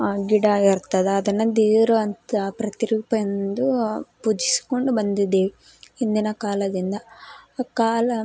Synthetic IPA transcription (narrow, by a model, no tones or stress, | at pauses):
ɡiɽɐiɾt̪ːɐd̪eɐd̪ɐnːud̪iːɾɐɐnt̪ɐpɾɐt̪iɾuːpɐend̪upud͡ʒisi̥koɳɖubɐnd̪id̪ːeːʋi | ind̪inɐkaːlɐd̪ind̪ɐkaːlɐ